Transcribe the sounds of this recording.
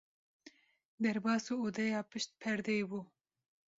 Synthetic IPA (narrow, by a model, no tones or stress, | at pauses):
d̪ɛɾbɑːsuːod̪ɛjɑːpɨʃt̪̚pʰɛɾd̪ɛjbu